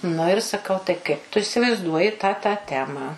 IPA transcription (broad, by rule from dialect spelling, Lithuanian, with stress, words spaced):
nʊ ɪr sɐˈkɐʊ tɐɪ ˈkɐɪp tʊ ɪsʲɪʋɐɪzˈduɔjɪ tɑː tɑː ˈtʲæːmɑː